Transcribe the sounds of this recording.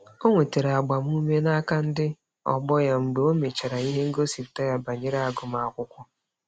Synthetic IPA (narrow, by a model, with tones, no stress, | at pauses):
o˦ŋʷe˨te˨ɾa˨ɡ͡ba˨m˦u˦me˦na˦ka˦n̩˦dɪ˦ | ɔ̰˨ɡ͡bɔ˦ja˦ŋ͡m̩˨ɡ͡be˨˦o˦me˨t͡ʃa˨ɾa˨i˦ɦe˦ŋ̩˦ɡo˦si˨pta˦ja˦ba˨ɲe˦ɾa˦a˨ɡʊ˨m̩˦a˨a˨kʷʊ˦kʷʊ˦